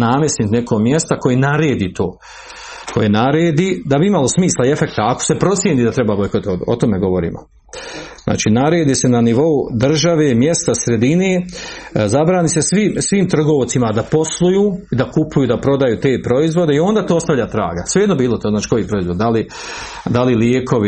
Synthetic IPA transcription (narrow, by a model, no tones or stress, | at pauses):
naːmjesnit̪nekomjest̪ako̞jenaɾe̞ːd̪iːt̪o̞̰ː | kʰo̞jenaɾeːd̪iːd̪abiimalˠo̞smiːslˠae̞fe̞k̚t̪aako̥se̞pɾo̞t̪sjeniːd̪at̪ɾe̞babojkot̪oo̰t̪o̞meɡo̞ʋo̞ɾḭːmo̰ | zna̰ːt͡ʃiːnaɾe̞ːd̪iːse̞naniʋo̞ud̪r̩ʒaʋe̞ːmjest̪asɾe̞d̪ine̞ː | zabɾaːnise̞sʋimsʋiːmt̪r̩ɡoʋot̪simad̪apo̞slˠujuːid̪akupujuːd̪apɾo̞d̪ajuːt̪e̞ːpɾo̞izʋo̞d̪e̞io̞nd̪aːt̪oːost̪aʋʎʲat̪ɾa̰ːɡasʋeenobiːlo̞t̪oːnaːt͡ʃi̥kojipɾo̞izʋod̪d̪ali | d̪aliljeːkʰo̞ʋi